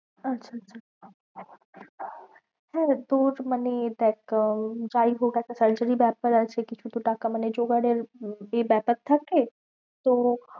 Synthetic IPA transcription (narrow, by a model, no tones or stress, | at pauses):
ɐtːʃʰaɐtːʃʰa | hɛ̃t̪oːɾməned̪ɛːkd͡ʒaːiɦoɡakasəɾd͡ʒəɾibɛːp̚əɾat͡ʃʰekit͡ʃʰut̪uʈaːkaməned͡ʒoːɡaɖeɾebɛːpək̚t̪ʰake | t̪oː